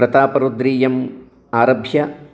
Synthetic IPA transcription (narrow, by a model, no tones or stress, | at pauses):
ɾɐt̪aːpɐɾod̪ɾiːjɐm | aːɾɐbʱjɐ